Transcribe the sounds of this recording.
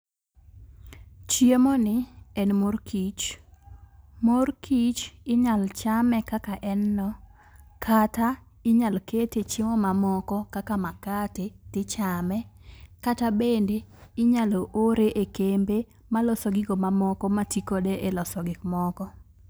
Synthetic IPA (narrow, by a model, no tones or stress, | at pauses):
t͡ʃjemɔnɪɛnmorkit͡ʃ | morkit͡ʃɪɲalt͡ʃamɛkakaʔɛnːɔ | kʰata | ɪɲalketet͡ʃemɔmamɔkɔkakamakatetɪt͡ʃamɛkatabendeɪɲaloʔoɾeʔekembe | malɔsɔɡɪɡomamɔkɔmatikodeʔelɔsɔɡɪkmɔkɔ